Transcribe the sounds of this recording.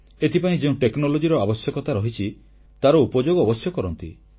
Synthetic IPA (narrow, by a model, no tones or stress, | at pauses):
et̪ʰipaĩd͡ʒeũʈeknɔlod͡ʒiɾɔabɔsjɔkɔt̪aɾɔɦit͡ʃʰi | t̪aɾɔupɔd͡ʒoɡɔːbɔsjɔkɔɾɔnt̪ḭ